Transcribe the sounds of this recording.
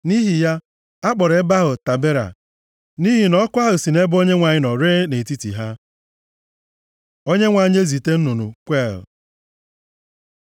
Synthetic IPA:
ni˦ɦi˨ja˦ | a˦k͡pɔ˨ɾe˨˦ba˦ɦʊ˨ta˨be˦ɾa̰˨ | ni˦ɦi˨nɔ˦kʷa˦ɦʊ˨si˨ne˦bʊ˦o˦ɲe˦ŋʷa˨ɲɪ˦nɔ˨ɾeː˦ne˨ti˦tḭ˨ɦa˦ | o˦ɲe˦ŋʷa˨ɲ˦e˦zi˨te˦n̩˦nu˨nṵ˨kʷe˦˨l

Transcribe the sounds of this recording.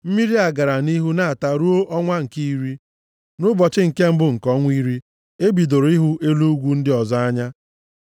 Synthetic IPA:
m̩˦mi˦ɾi˦a˨ɡa˨ɾa˨ni˦ɦu˦na˦˨a˨ta˨ɾu˦o˦ʔɔ˦ŋʷa˦ŋ̩˨ki˦i˦ɾi˦ | nʊ˦bɔ˨t͡ʃɪ˦ŋ̩˨ke˦m̩˦bʊ˦ŋ̩˨kɔ˦ŋʷ˦i˦ɾi˦ | e˦bi˨do˨ɾi˦ɦu˦ʔe˦lu˦ɡʷu˦n̩˦dɪ˦ɔ˨zɔ˦a˦ɲa˦

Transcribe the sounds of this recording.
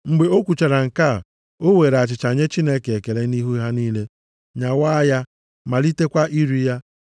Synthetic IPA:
ŋ͡m̩˨ɡ͡be˨o˦kʷu˨t͡ʃa˨ɾa˨ŋ̩˨ka˦˨ | o˦we˨ɾa˨t͡ʃɪ˨t͡ʃa˨ɲe˦t͡ʃi˦ne˦ke˨e˨ke˨ɾe˦ni˦ɦu˦i˦ɦa˦niː˦le˦ | ɲa˨wa˦ja˦ | ma˨li˦te˦kʷa˦ʔi˦ɾi˦ja˦

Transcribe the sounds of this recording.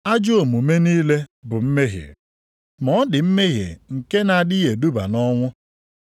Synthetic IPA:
a˦d͡ʒo˦o˨mu˨me˦niː˦le˦bʊ˨m̩˦me˦ɦjḛ˨ | mɔ˦dɪ˨m̩˦me˦ɦjḛ˨ŋ̩˨ke˦na˨dɪ˦je˨du˦ba̰˨nɔ˦ŋʷʊ˦

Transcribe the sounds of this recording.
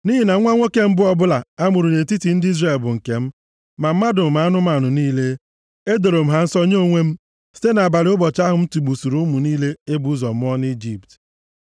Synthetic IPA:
ni˦ɦi˨na˨˦ŋʷa˦ŋʷo˦ke˦m̩˦bʊ˦ɔ˦bʊ˦la˨a˦mʊ˨ɾu˨ne˨t̬i˦ti˨n̩˦di˦zre˨lbʊ˨ŋ̩˨ke˨m̩˦ | ma˨m̩˦ma˦dʊ˨m̩˨ma˨a˦nʊ˦m˦a˨nʊ˨niː˦le˦ | e˦do˨ɾo˨m̩˦ɦa˦n̩˦sɔ˦ɲe˦o˦ŋʷe˦m̩˦ | si̥˦te˦na˨ba˨ɾɪ˨ʊ˦bɔ˨t͡ʃa˦ɦʊ˨m̩˦tu˨ɡ͡bu˨su˨ɾu˨˦mu˨niː˦le˦e˦bu˨˦u˦zɔ˨m̩˦ɔ˦n˦i˦d͡ʒi˨pt

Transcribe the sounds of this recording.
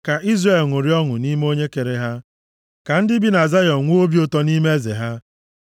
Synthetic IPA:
ka˨ʔi˦zre˨lŋʷʊ˨ɾi˦ɔ˦ŋʊ˨ni˦me˦o˦ɲe˦ke˨ɾe˨ɦa˦ | ka˨n̩˦dɪ˦bi˦na˨za˦jɔ˨ŋʷu˦o˦bi˦o˦tɔ˦ni˦me˦e˦zḛ˨ɦa˦

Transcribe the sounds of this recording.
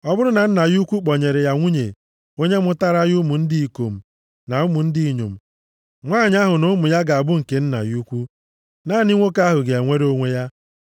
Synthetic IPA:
ɔ˦bʊ˦ɾʊ˦na˨n̩˦na˨ju˦kʷu˦k͡pɔ˨ɲe˨ɾe˨ja˨ŋʷu˦ɲe˨ | o˦ɲe˦mʊ˦ta˦ɾa˦jʊ˦mu˨n̩˦di˦i˨ko̰˨m̩˨ | na˨ʊ˦mu˨n̩˦di˦i˨ɲo̰˨m̩˨ | ŋʷaː˦˨ɲɪ˦a˦ɦʊ˨nʊ˦mʊ˨ja˦ɡa˨a˨bʊ˦ŋ̩˨ke˨n̩˦na̰˨ju˦kʷu˦ | na˦˨ni˦ŋʷo˦ka˦ɦʊ˨ɡe˨a˨ŋʷe˦ɾo˦ŋʷe˦ja˦

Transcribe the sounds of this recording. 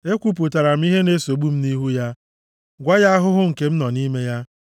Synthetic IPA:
e˦kʷu˨p̬u˨ta˨ɾa˨m̩˦i˦ɦe˦ne˦so˨ɡ͡bu˦m̩˦ni˦ɦu˦ja˦ | ɡʷa˦ja˦a˦ɦʊ˦ɦʊ˦ŋ̩˨ke˦m̩˦nɔ˨ni˦me˦ja˦

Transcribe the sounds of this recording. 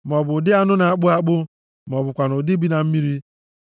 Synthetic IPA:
m˨ɔ˨bʊ˨dɪ˦a˦nʊ˦na˨a˦k͡pʊ˦a˦k͡pʊ˦ | m˨ɔ˨bʊ˨kʷa˨nʊ˨di˦bi˦na˨m̩˦mi˦ɾi˦

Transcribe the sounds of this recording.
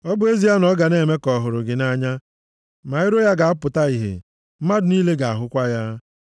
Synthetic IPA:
ɔ˦bʊ˦e˦zi˦a˦nɔ˦ɡa˨ne˨me˦kɔ˨ɦʊ˨ɾʊ˨ɡɪ˨na˦ɲa˦ | ma˨ɪ˦ɾo˦ja˦ɡa˨a˦pʊ˨ta˦i˨ɦḛ˨ | m̩˦ma˦dʊ˨ni˦le˦ɡa˨a̰˨ɦʊ˦kʷa˦ja˦

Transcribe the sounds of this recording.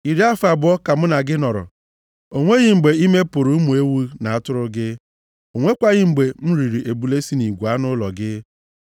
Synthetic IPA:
i˨ɾi˦a˦fa˨bʊ˨˦ɔ˦ka˨m̩˦na˨ɡɪ˦nɔ˨ɾʊ̰˨ | o˨ŋʷe˦ɣɪ˦ŋ͡m̩˨ɡ͡be˨i˦me˦pʊ˨ɾʊ˨˦mu˨e˦wu˦na˨a˦tʊ˦ɾʊ˦ɡɪ˦ | o˨ŋʷe˦kʷa˦ɣɪ˦ŋ͡m̩˨ɡ͡be˨m̩˦ɾi˨ɾi˨ʔe˨bu˨le˦si˦ni˨ɡʷu˨a˦nʊ˦lɔ̰˨ɡɪ˦

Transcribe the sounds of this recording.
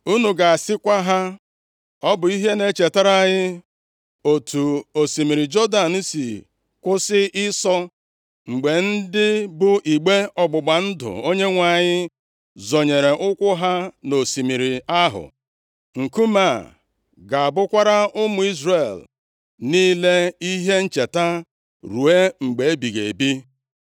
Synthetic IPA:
u˦nu˨ɡa˨a˨sɪ˦kʷa˦ɦa˦ | ɔ˦bʊ˨i˦ɦe˦ne˦t͡ʃe˨ta˦ɾa˦˨ɲɪ˦ | o˨tʰu˨o˨si˨mi˨ɾi˨d͡ʒɔ˦da˨n̩˦sḭ˨ | kʷʊ˦sɪ˦ɪ˦sɔ˦ | ŋ͡m̩˨ɡ͡be˨n̩˦dɪ˦bʊ˦ʔi˨ɡ͡be˦ɔ˨ɡ͡bʊ˨ɡ͡ba˨n̩˦dʊ̰˨o˦ɲe˦ŋʷa˨ɲɪ˦ | zɔ˨ɲe˨ɾe˨ʔʊ˦kʷʊ˦ɦa˦no˨si˨mi˨ɾi˨a˦ɦʊ̰˨ | ŋ̩˨ku˦ma˦˨ | ɡa˨a˨bʊ˦kʷa˦ɾa˦ʊ˦mʊ˨i˦zre˨l | niː˦le˦i˦ɦe˦n̩˦t͡ʃe˨ta˦ | ɾu˨e˦ŋ͡m̩˨ɡ͡be˨e˦bi˨ɡḛ˨bi˦

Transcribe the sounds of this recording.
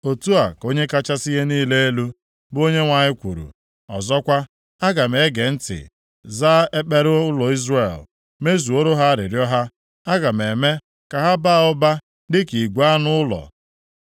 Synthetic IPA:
o˨tu˦a˨ko˦ɲe˦ka˦t͡ʃa˦si˦ɦe˦niː˦le˦e˦lu˦ | bo˦ɲe˦ŋʷa˨ɲɪ˦kʷṵ˨ɾṵ˨ | ɔ̰˨zɔ˦kʷa˦ | a˦ɡa˨m̩˨e˨˦ɡe˨n̩˦tɪ̰˨ | za˦e˦k͡pe˦ɾʊ˦lɔ˨i˦zre˨l | me˦zu˨o˦ɾo˦ɦa˦a˦ɾɪ̰˨ɾjɔ˦ɦa˦ | a˦ɡa˨m̩˨e˨me˦ | ka˨ɦa˦ba˦˨ɔ˦ba˦ | dɪ˦ki˨ɡʷa˦nʊ˦ʊ˦lɔ̰˨

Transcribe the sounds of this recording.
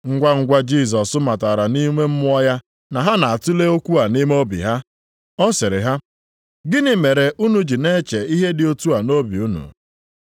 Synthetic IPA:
ŋ̩˦ɡʷa˦ŋ̩˦ɡʷa˦d͡ʒi˦˨s̬ɔ˨sʊ˦ma˨ta˨ɾa˨ni˦ŋʷe˦m̩˦mʊ˦ɔ˦ja˦ | na˨ɦa˦na˨a˨tu˦le˦o˦kʷu˦a˨ni˦me˦o˦bḭ˨ɦa˦ | ɔ˦sɪ˨ɾɪ̰˨ɦa˦ | ɡɪ˦nɪ˨me˨ɾe˨ʔu˦nu˨d͡ʒi˨ne˦t͡ʃe˨i˦ɦe˦dɪ˨o˦tu˦a˨no˦bi˨u˦nṵ˨

